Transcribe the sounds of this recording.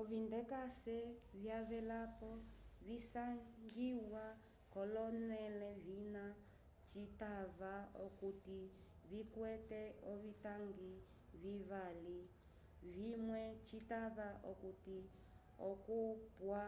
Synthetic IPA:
ɔvindɛkasɛvjaβɛlapɔβisaŋɡiwa | kɔlɔnɛlɛvina | t͡ʃitaβaɔkuti | βikwɛtɛɔβitaŋɡi | βiβali | vimwɛt͡ʃitaβaʔɔkuti | ɔkupwa

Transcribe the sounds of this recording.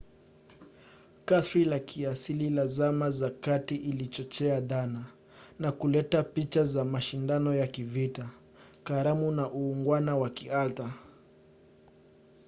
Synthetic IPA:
kasɾilakʰiasililazamazakatiʔilit͡ʃɔt͡ʃɛaðana | nakulɛtapit͡ʃazamaʃindanɔjakivita | kaɾamunaʔuːŋɡwanawakialta

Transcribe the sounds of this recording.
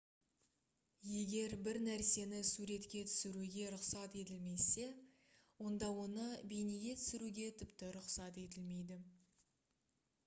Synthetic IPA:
je̞ɡʲe̞ɾbɪɾnæɾse̞nɪsuɾe̞t̪kʲe̞t̪ʰʏ̥sɪɾuɡʲe̞ɾʊqsɑt̪e̞t̪ɪlme̞se̞ | wo̞nd̪ɑwo̞nəbejneɡʲe̞t̪ʰʏ̥sɪɾuɡʲe̞t̪ʰʏpt̪ɪɾʊqsɑt̪e̞t̪ɪlme̞jd̪ɪ

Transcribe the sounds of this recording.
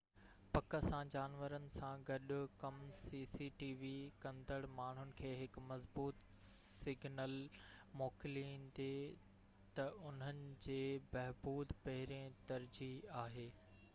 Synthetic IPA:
pɐkə̆sãd͡ʑaːnʋəɾənɪ̆sãɡɐɗʊ̆kɐmsiːsiʈiːʋikɐ̃nd̪əɽmaːɳ̤ʊnɪ̆kʰeːɦɪkmɐzbuːt̪ | sɪɡʱnəlmoːkɪlĩːnd̪e | t̪ɐʊn̤ənɪ̆d͡ʑeːbɐɦbuːd̪pɐɦɪɾẽt̪ɐɾd͡ʑiaːɦeː

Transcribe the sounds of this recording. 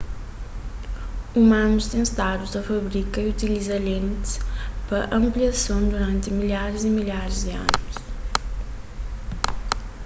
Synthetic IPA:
umãnust̪ẽj̃st̪ad̪uzɐfɐβɾikɐiut̪ilizɐlẽnt̪ɨ̥spɾɐʔɐ̃mpliɐsɐ̃w̃d̪uɾɐ̃nt̪ɨmiʎaɾzimiʎaɾzd̪ɨɐ̰nuʊʃ

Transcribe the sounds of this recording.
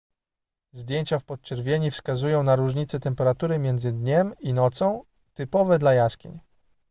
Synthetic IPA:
zd̪ʲjeɲt͡ɕafpɔt̪̚t͡ʂɛɾvʲjeɲifskazujɔ̃w̃naɾuʐɲit̪sɛt̪ɛmpɛɾat̪uɾɘmʲjɛnd̪zɘd̪ɲɛminɔt̪sɔ̃w̃ | t̪ɘpɔvɛd̪lajaskʲḭɲ

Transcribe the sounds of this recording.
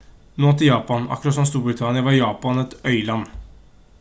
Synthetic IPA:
noːt̪ʰɪljɑːpɑnɑ̰kːɾɑt̪sɔmst̪uːɾbɾɪt̪ʰɑnɪəʋɑɾjɑːpɑnɛt̪œʏlɑnː

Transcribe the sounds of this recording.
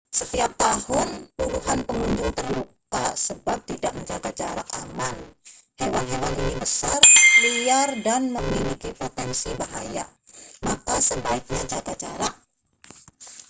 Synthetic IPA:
sət̪iap̚t̪ahʊnpuluhanpəŋuɲd͡ʒʊŋt̪ərluka̰səbap̚t̪idaʔməɲd͡ʒaɡad͡ʒaɾakamanhewanhewaninibəsarliardanməmilikipɾot̪ɛnsibaɦaja̰ | makasəbaɪk̚ɲad͡ʒaɡad͡ʒaɾak̚

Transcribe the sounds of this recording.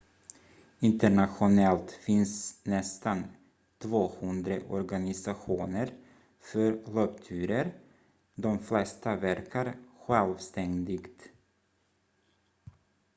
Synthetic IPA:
ɪnt̪əɳaɧʊnɛlt̪fɪnsnɛst̪an | t̪ʰvoːhɵnd̪ɾəʔɔɾɡanɪsaɧuːnəɾ | fœɾlœpt̪ʰʉ̟ːɾəɾ | d̪ɔmflɛst̪avæɾkʰaɾɧɛlvst̪ɛŋd̪ɪɡt̪

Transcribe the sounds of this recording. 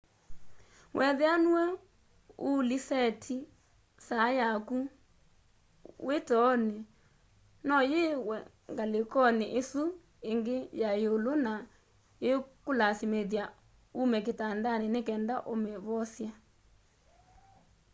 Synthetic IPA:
wʔɛðeanuɛ | ulisɛtʰi | sajaku | wʔetɔne | nɔjewɛ | ŋɡalekɔneʔesu | eŋɡejajolona | jekolasimeðja | umɛketandanenekɛndaʔomeβɔsja

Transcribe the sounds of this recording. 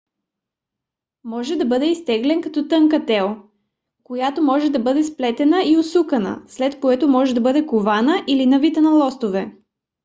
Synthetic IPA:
mɔʒɛd̪ɐbɤd̪ɛist̪ɛɡlɛnkɐt̪ɔt̪ɤŋkɐt̪ɛlˠ | kojat̪omɔʒɛd̪ɐbɤd̪ɛsplɛt̪ɛnəiosukɐnə̰slɛt̪koɛt̪omɔʒɛd̪ɐbɤd̪ɛkovanəʔilinɐvit̪ənɐlˠɔst̪ovɛ

